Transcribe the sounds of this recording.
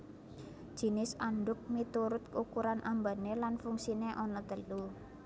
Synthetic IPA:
d̥ʒ̥i̤nɪsaɳɖʊk̚mit̪uɾʊt̪̚kukuɾanʔamba̤nelanfuŋsineʔɔnɔt̪əlu

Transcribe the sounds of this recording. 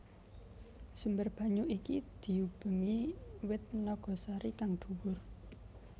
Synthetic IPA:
sumbərb̥a̤ɲuʔikid̪̥i̤ub̥ə̤ŋiwɪt̪̚nɔɡ̥ɔ̤saɾikaŋɖ̪̥ṳwʊr

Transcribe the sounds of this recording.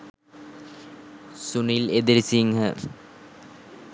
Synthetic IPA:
suniled̪eɾisiŋɦə

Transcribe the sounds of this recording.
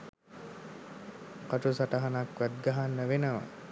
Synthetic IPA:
kaʈusaʈɐɦanakʋæd̪̚ɡaɦanːəʋenəʋa̰

